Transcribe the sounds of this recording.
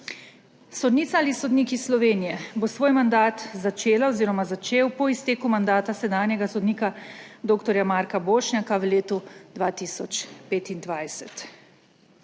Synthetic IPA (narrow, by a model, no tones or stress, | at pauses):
sɔd̪niːt̪saalisod̪niːkisːlɔʋeːnijɛbosʋoːjmand̪aːt̪zat͡ʃeːlaoziːɾɔmazat͡ʃeːwpɔist̪eːkumand̪aːt̪asɛd̪aːnjɛɡasɔd̪niːka | d̪oːkt̪ɔɾjamaːɾkaboːʃnʲakawleːt̪ud̪ʋaːt̪iːsɔt͡ʃpeːt̪ind̪ʋajsɛt̪